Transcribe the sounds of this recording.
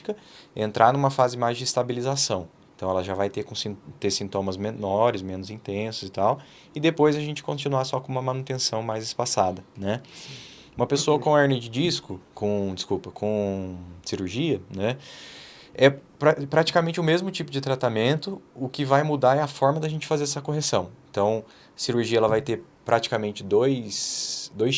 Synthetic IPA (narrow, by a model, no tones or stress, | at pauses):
kɐḛ̃nt̪ɾʔaɾnũmɐfazɪmajzd͡ʒɪːst̪abilizasɐ̃w̃ẽnt̪ɐ̃w̃ɛlɐʒavajt̪eɾkõsĩt̪eɾsĩnt̪õmɐzmenɔɾɪsmẽnʊzĩnt̪ẽsʊzɪt̪aw | ɪd̪epojzɐʒẽnt͡ʃɪ̥kõnt͡ʃinuasɔkõũmɐmɐ̃nut̪ẽsɐ̃w̃majzɪspasad̪ɐnɛ | ũmɐpesoɐkõɛɾnɪd͡ʒɪd͡ʒiskʊkõd͡ʒɪskupɐkʰõsiɾuɾʒiɐnɛ | ɛpɾapɾat͡ʃi̥kamẽnt͡ʃɪʊmezmʊt͡ʃipʊd͡ʒɪt̪ɾat̪amẽnt̪ʊʊkɪvajmud̪aɾɛɐfɔɾmɐd̪ɪɐʒẽnt͡ʃɪ̥fazeɾɛsɐkoɦesɐ̃w̃ẽnt̪ɐ̃w̃ | ɐsiɾuɾʒiɐɛlɐvajt̪eɾ | pɾʔat͡ʃi̥kamẽnt͡ʃɪd̪ojsd̪oj